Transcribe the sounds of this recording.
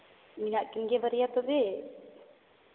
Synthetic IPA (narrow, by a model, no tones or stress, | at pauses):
minaʔkinɡɛbaɾijat̪ɔd̪ɛ